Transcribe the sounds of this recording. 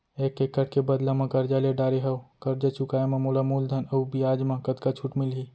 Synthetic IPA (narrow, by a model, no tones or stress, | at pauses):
ekːekːəʈ̚ʰkebəd̪lamẽkəɾd͡ʒaleɖaːɾeɦəokəɾd͡ʒat͡ʃʰukaemẽmolamuld̪ʱənəubijaːd͡ʒmãkət̪kat͡ʃʰuʈmilɦi